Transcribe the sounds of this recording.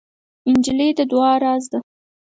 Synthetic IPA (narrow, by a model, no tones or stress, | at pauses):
ɪnd͡ʒiled̪əd̪wɑɾɑzd̪a